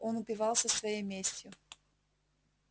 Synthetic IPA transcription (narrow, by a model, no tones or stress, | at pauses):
ʔonʊpʲɪvɑlˠsʲəsvɐjejmʲesʲtʲjʊ